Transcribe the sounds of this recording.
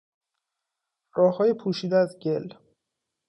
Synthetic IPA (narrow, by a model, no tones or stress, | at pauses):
rɒːhɒːjepʰuːʃiːd̪eæzɟe̞l